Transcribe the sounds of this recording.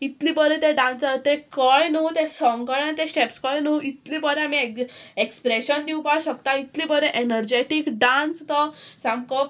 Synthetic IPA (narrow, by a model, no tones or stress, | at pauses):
it̪lĩpəɾẽt̪eɖãnsəɾt̪ekəjnut̪esɔŋkəjant̪ẽsʈepskəjnuit̪libəɾeamieekspɾeɕənd̪iwpaɽɕəkt̪ait̪lĩːbəɾeʔenəɾd͡ʑeʈikɖanst̪əsãmkə